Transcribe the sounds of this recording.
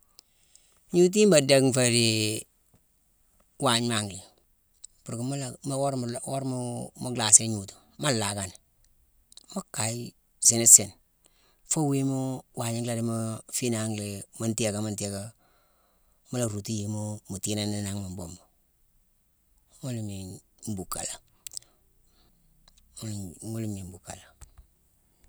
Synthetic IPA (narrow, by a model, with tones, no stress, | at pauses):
ɲu˦t̬i˦mba˨de˦˨kfa˨ɾi˨ | wa˨ɲ˦ma˨ŋɡli˨ | pu˨ɾki˨˦m˦lm˦ɾo˦ɾmu˦mu˦ɡla˨si˦ɲu˨tu̥˨ | ma˦la˨ka˨ni˨ | ma˦ka˨i˦ | sɪ˨ni˦sɪ˨n | fo˦we˦mu˦wa˨ɲi˦ŋɡla˦˨ɾe˦mo˦fi˦na˨˦ŋle˨ma˦nti˦e˦˨ka˨ma˦nti˦e˦ka˦ | ma˦la˨ɾu˨ti˦je˨mo˦mu˨ti˦na˦ne˦na˨ŋ˦ma˨mbo˨mbo˨ | ŋo˦lme˨m̩˦bu˨ka̰˨la˨˦ | ŋo˦li˦me˨mbu˨ka̰˨la˨